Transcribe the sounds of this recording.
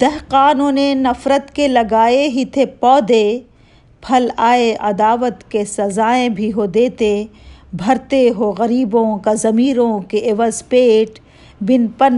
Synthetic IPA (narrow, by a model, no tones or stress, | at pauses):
d̪̥ɛɦqaːnũːnenɐfɾət̪kelɐɡaːeɦit̪ʰepɔːd̪e | pʰɐlaːeʔɐd̪aːʋət̪kesɐzaːẽbʱiɦod̪eːt̪ebʱɐɾt̪eɦoɣɐɾiːbõkazɐmiːɾõkeʔɪʋəzpeːʈ | bɪnpən